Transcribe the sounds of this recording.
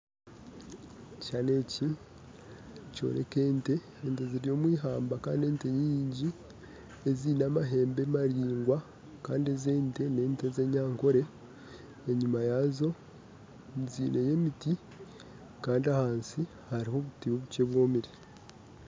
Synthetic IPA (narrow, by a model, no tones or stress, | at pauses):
cane̞ci | co̰ɾe̞̰ke̞ːnte̞ːnteziɾjo̞ːmwiːɦaːmbaka̰ːndie̞ːnte̞ɲiːɲɟi | eziːnaːmaɦe̞ːmbe̞maɾiːŋɡwa | kaːndieze̞ːnte̞ne̞ːnte̞ze̞ɲaːŋko̞ɾe̞ː | ɲumajazo̞ | nziːne̞je̞miti | kaːndiahaːnsi | haɾiho̞βutiβoβuce̞βwo̞ːmiɾi